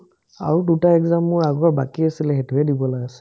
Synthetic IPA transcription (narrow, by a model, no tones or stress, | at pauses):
a̰ɹudutaɛkzamːʊɹaɡɔɹbakiasilɛxetuɛdibɔlaɡɛsɛ̥